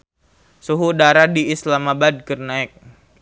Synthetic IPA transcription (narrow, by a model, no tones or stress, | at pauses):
suɦudaɾadiːslamabad̚ɡərnaik̚